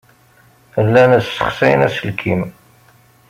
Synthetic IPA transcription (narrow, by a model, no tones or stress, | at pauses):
əlːænæsə̥χsæjnæsəlkʰim